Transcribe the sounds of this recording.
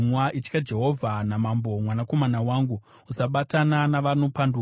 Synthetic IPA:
mwaʔit͡ʃkad͡ʒe̞ɦo̞vʱanamambo̞mwanako̞manawaːŋɡu | usaɓatananaʋanopandu

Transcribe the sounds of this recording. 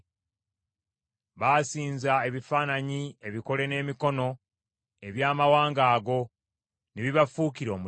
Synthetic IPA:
βaːsiːnzae̞βifaːnaɲie̞βiko̞le̞ne̞ːmiko̞no̞ | e̞βjaːmawaːŋɡaːɡo̞ | neβiβafuːkiɾo̞ːmu

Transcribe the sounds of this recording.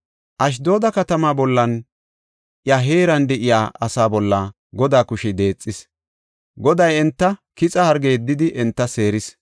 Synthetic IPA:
ʔɐʃ̬d̪o̞ːd̪ɐkɐt̪ɐmaːbɔlːɐn | ʔɪjaɦe̞ːɾɐnd̪ɛʔɪjaːɐsaːbɔlːaː | ɡɔd̪aːkʊʃɛd̪e̞ːt͡sʼːɪs | ɡɔd̪ɐjɛnt̪ːɐkɪt͡sʼɐhɐɾɡeːd̪ːɪd̪ɪʔɛnt̪ːɐse̞ːɾɪs

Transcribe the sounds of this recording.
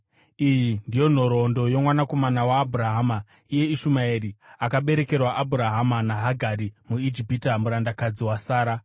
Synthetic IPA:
ijindijo̞n̤o̞ɾo̞ndo̞jo̞mwanako̞manawaːbʱuɾaɦama | ije̞iʃumaeɾiakaɓe̞ɾe̞ke̞rwaʔabʱuɾaɦamanaɦaɡʱaɾimuid͡ʒipitamuɾandakad͡ziwasaːɾa

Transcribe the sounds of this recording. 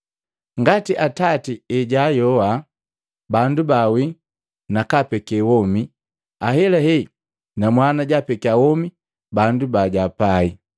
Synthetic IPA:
ŋɡatiʔatatiɛɟajɔwa | bandubawi | nakapɛkɛwɔmi | aɦɛlaɦɛ | namwanaɟapɛkiawɔmi | bandubaɟapai

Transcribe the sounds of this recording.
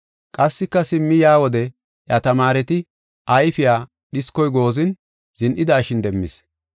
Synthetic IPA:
kʼɐsːɪkːɐsɪmːɪjaːwɔd̪ɛ | jɐt̪ɐmaːɾɛt̪ɪ | ʔɐjfɪjaː | ɗɪskːɔjɡo̞ːzɪn | z̥ɪnʔɪd̪aːʃɪnd̪ɛmːɪ̰s

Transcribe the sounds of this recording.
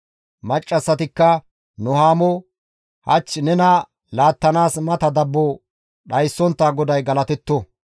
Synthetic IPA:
mɐt͡ʃʼːɐsːɐt̪ɪkːɐ | nʊɦaːmɔ | hɐ̰t͡ʃːnɛnɐ | laːt̪ːɐnaːsmɐt̪ɐd̪ɐbːɔ | ɗɐjsːɔnt̪ːaːɡɔd̪ɐjɡɐlɐt̪ɛt̪ːɔ

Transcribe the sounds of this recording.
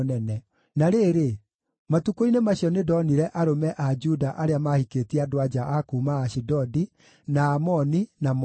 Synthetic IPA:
nɛnɛ | naɾeɾe | matukoinemaɕiɔnedɔniɾɛʔaɾomɛʔad͡ʒudaʔaɾeamahikeːtiadoad͡ʒaʔakumaːɕidɔdi | naːmɔninam

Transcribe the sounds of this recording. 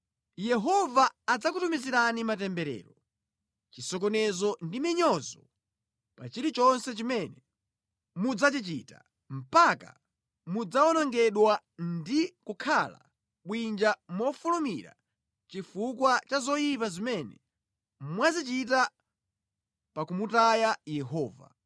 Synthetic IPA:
jɛɦɔvaːd͡zakutumiziɾanimatɛmbɛɾɛ̰ːɾɔ | t͡ʃisɔkɔnɛzɔndimiɲɔzɔ | pa̰t͡ʃiɾit͡ʃɔnsɛt͡ʃimɛnɛ | mud͡zat͡ʃit͡ʃita | m̩paka̰ | mud͡zaɔnɔŋɡɛɗwa | ndikukʰala̰ | ɓwind͡ʒamɔfulumiɾa̰ | t͡ʃifukwat͡ʃazɔjip̬azimɛnɛ | mwazit͡ʃit̬a | pakumutajajɛɦɔːva̰

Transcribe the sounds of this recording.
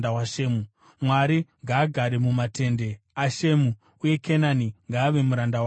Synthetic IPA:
dawaʃeːmu | mwaɾiŋɡaːɡʱaɾe̞mumate̞nde̞ | aʃe̞mu | uje̞kʰenaniŋɡaːʋe̞muɾandaw

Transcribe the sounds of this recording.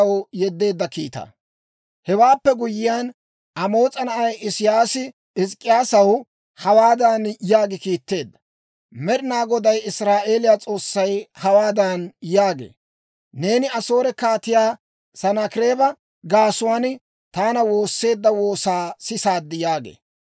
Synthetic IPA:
ɐwjɛd̪ːe̞ːd̪ːɐkḭːt̪ɐ̰ | hɛwaːpːɛɡʊjɪjan | ʔɐmo̞ːt͡sʼɐnɐʔɐjɪsɪjaːsɪ | ɪskʼːɪjaːsɐw | hɐwaːd̪ɐnjaːɡɪkiːt̪ːe̞ːd̪ːɐ̥ | mɛɾɪnaːɡɔd̪ɐjɪsɾaːʔe̞ːlɪjaːt͡sʼo̞ːsːɐjhɐwaːd̪ɐnjaːɡḛː | ne̞ːnɪɐso̞ːɾɛkaːt̪ɪjaː | sɐnakɪɾe̞ːbɐ | ɡaːsʊwaːn | t̪aːnɐwo̞ːsːe̞ːd̪ːɐwo̞ːsaːsɪsaːd̪ːɪjaːɡḛː

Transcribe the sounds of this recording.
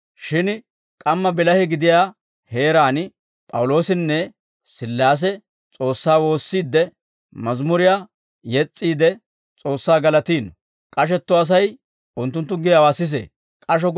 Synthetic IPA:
ʃɪn | kʼɐmːɐbɪlɐhɪɡɪd̪ɪjaː | he̞ːɾaːn | pʼɐ̰wlo̞ːsɪnːɛ | sɪlːaːs̬ɛ | t͡sʼo̞ːsːaːwo̞ːsːiːd̪ːɛ | mɐzmʊɾɪjaː | jɛt͡sʼːiːd̪ɛ | t͡sʼo̞ːsːaːɡɐlɐt̪iːn | kʼɐʃ̬ɛt̪ːɔɐs̬ɐj | ʊnt̪ːʊnt̪ːʊɡɪjɐwaːsɪs̬ḛ | kʼɐʃɔ

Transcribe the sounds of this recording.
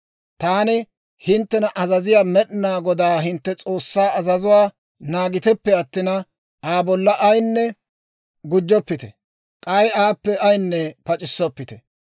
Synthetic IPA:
t̪aːnɪ | hɪnt̪ːɛnɐʔɐzɐzɪjaːmɛɗɪnaːɡɔd̪aːɦɪnt̪ːɛt͡sʼo̞ːsːaːɐzɐzʊwaː | naːɡɪt̪ɛpːɛɐt̪ːɪnɐ | aːbɔlːɐʔɐjnːɛ | ɡʊd͡ʒːɔpːɪt̪ɛ̰ | kʼɐjaːpːɛʔɐjnːɛpɐt͡ʃʼɪsːɔpːɪt̪ɛ̥

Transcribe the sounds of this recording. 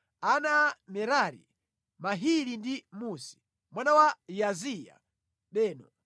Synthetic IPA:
anamɛɾaɾḭ | maɦiɾindimusi̥ | mwanawajazija̰ | ɗɛːnɔ

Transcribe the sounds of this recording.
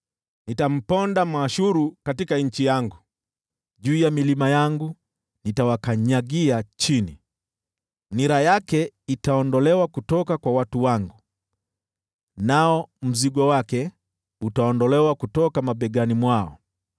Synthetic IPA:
nitam̩pɔndam̩aʃuɾukatikaɲ̩t͡ʃijaŋɡu | ʄuːjamilimajaŋɡu | nitawakaɲaɡiat͡ʃini | niɾajakɛitaɔndɔlɛwakutɔkakwawatuwaŋɡu | naɔm̩ziɡɔwakɛ | utaɔndɔlɛwakutɔkamaɓɛɠanimwaɔ̰

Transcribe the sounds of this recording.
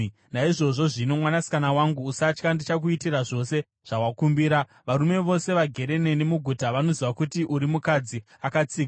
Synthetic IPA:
naiʐo̞ʐo̞ʐino̞mwanasi̥kanawaŋɡuːsat͡ʃkandit͡ʃakuitiraʐo̞se̞ | ʐ̥awakumbiːɾa | ʋaɾume̞ʋo̞se̞ʋaɡʱe̞ɾe̞ne̞ne̞muɡʱutaʋano̞ziʋakutiʔuɾimukad͡zi | akat͡siːka

